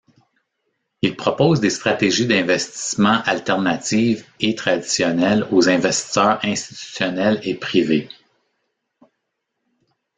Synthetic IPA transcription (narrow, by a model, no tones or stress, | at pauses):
ilpχɔpɔːzd̪est̪χat̪eʒid̪ɛ̃vɛst̪i̥smɑ̃ʔalt̪ɛʁnat̪iːvet̪χad̪i̥sjɔnɛlozɛ̃vɛst̪i̥sœːʁɛ̃st̪i̥t̪y̥sjʌnɛlepʁive